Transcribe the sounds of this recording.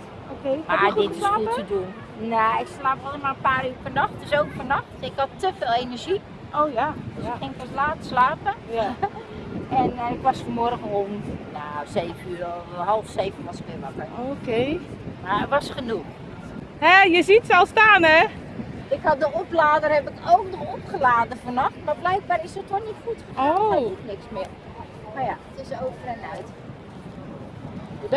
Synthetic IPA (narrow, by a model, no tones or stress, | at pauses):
okemaɪtɪlaːətədun | naɪkslaːpɔləmarənpaːryːrpərnɔxt̚dəsowkfərnɔxtɪkhɔtːəfeːlˠenərʒi | o | ɪŋkʋɔslaːtə̥slaːpə | ɛnɪkʋɔsfərmɔrɣənomnaseːvənyːrhɔlˠfseːvənʋɔsɪ̥kʋɪmakəoke | maʋɔsxənux | hɛjəzitsɛlˠstaːnɛ | ɪkhat̚dəoplaːdərhɛpɪkʰoːkdəopχəlaːdəfonɔxtmablɛjk̚baɾɪsətʰonitxutəaitnɪksmɪər | majaətɪsoːvərɛnœɥt